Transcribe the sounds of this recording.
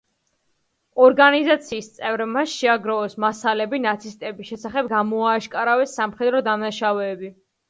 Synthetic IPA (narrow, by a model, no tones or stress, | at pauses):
ɔɾɡanizat̪sʰiːst̪sʼɛvɾmasʃɛaɡɾɔɔsmasalɛbinat̪sʰist̪ʼɛbisʃɛsaχɛb̚ɡamɔaːʃkʼaɾavɛsːamχɛd̪ɾɔd̪amnaʃavɛːbi